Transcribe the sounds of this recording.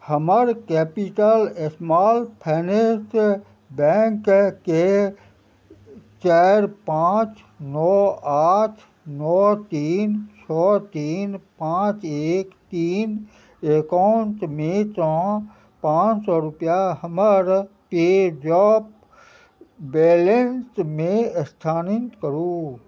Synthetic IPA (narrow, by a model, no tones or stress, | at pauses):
həməɾkɛːpiʈəlesmaːlpʰɛːnes | bɛ̃ːŋkke | t͡ʃaːɾpãːt͡ʃ | nɔːaːt̪ʰ | nɔːt̪iːnt͡ʃʰɔːt̪iːnpãːt͡ʃeːkt̪iːn | eːkɔnt̪mẽt͡ʃɔ̃ː | pãːt͡ʃsɔːɾʊpjaɦəməɾ | ped͡ʒɔːp | beːlensmẽst̪ʰaːnɪnt̪kəɾu